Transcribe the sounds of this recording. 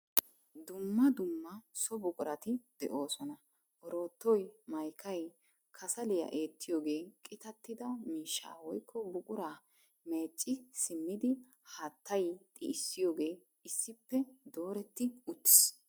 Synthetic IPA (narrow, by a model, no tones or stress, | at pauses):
d̪ʊmːɐd̪ʊmːɐsɔbʊkʼʊɾɐt̪ɪd̪̥ɛ̰ʔo̞ːsɔnɐ | ʔɔɾo̞ːt̪ːɔjmɐjkʰɐj | kʰɐsɐlɪjɐ̰ʔe̞ːt̪ːɪjoːɡe̞ːkʼɪt̪ɐt̪ːɪd̪ɐmiːʃːa̰ːwɔjkʰːɔbʊkʼʊɾaː | me̞ːt͡ʃʼːɪsɪmːɪd̪ɪ | haːt̪ʰːɐjt̪ʼɪ̰ɪsːɪjo̞ːɡe̞ː | ɪsːɪpːɛd̪o̞ːɾɛt̪ːɪʊt̪ːɪ̥s